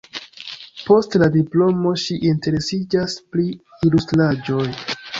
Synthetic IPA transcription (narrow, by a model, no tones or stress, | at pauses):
po̞stladiplo̞mo̞ʃiʔinte̞ɾe̞sid͡ʒaspɾi | ilustɾad͡ʒo̞j